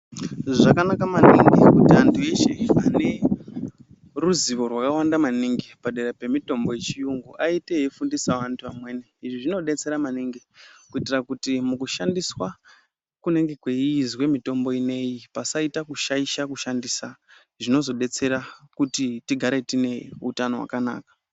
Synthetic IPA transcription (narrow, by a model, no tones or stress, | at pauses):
ʐakanakamanḭŋɡikutiantʰue̞ʃeane̞ | ruziʋo̞rwakawandamaniŋɡipaɗe̞ɾepe̞mito̞mbo̞je̞t͡ʃijuŋɡuʔaiteɦefundisaʋantʰuamwe̞ːneiʐiʐino̞ɗe̞t͡se̞ɾamaniŋɡikuitirakutimukuʃandiswa | kune̞ŋɡe̞kwe̞izwe̞mito̞mbo̞ine̞jipasaitakuʃaiʃakuʃandisa | ʐino̞zo̞ɗe̞t͡se̞ɾakutitiɡʱaɾetine̞utano̞wa̰kana̰ːkḁ